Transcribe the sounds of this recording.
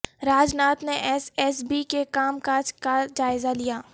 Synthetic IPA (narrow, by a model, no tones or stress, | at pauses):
ɾaːd͡ʒnaːt̪neʔɛsɛs̬bikekaːmkaːd͡ʒkad͡ʒaːɪzalijaː